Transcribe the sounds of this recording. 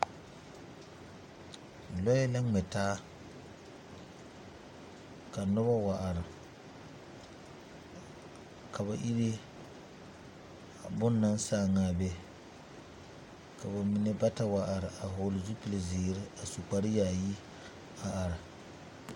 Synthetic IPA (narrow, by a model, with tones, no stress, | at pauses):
lɔ˦jɛ˦la˦ŋ͡mɛ˨taː˦ | ka˨nʊ˦ba˦wa˨ʔa˨ɾɪ˨ | ka˨βa˨ʔi˦ɾe˦˨ | bʊ˦nːa˦n˦saː˦˨ŋaː˨bɛ˦ | ka˨ba˨mi˨ne˦ba˦ta˦wa˨ʔa˨ɾɪ˨a˨ɦʊː˨lɪ˨zu˦pi˨lɪ˨zɪː˨ɾɪ˦a˨su˨k͡pa˨ɾɪ˦jaː˨ji˦ | a˨a˨ɾɪ˨